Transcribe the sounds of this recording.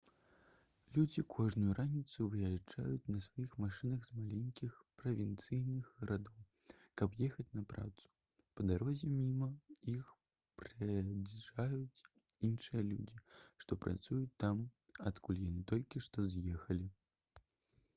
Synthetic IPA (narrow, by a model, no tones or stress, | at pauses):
lʲud͡zʲikʰɔʐnujuɾanʲit̪suvɨjad͡ʐa̰jut͡sʲnɐsvajixmaʂɨnɐɣzmalʲenʲkʲixpɾɐvʲint̪sɨjnɨɣɣɐɾad̪ɔw | kɐpjɛxɐt͡sʲnɐpɾa̰t̪su̥ | pɐd̪aɾɔzʲɛmʲimɐix | pɾɐd͡zʐajut͡sʲ | inʂɨjɐlʲṵd͡zʲiʂt̪ɔpɾʔa̰t̪sujut͡sʲt̪ːam | at̪kulʲjanɨt̪ɔlʲkʲiʂt̪ɔzjɛxɐlʲi